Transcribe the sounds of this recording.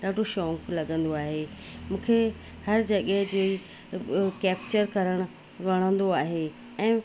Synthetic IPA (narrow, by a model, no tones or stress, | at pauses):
ɗaːɖʱoʃɔːŋklɐɠə̃nd̪oaːɦe | mũːkʰe | hɐɾd͡ʑɐɠəɦɪd͡ʑoːi | kɛːp̚t͡ɕəɾkɐɾəɽ̃ʊ | ʋɐɽ̃ə̃nd̪oaːɦe | ɛ̃ː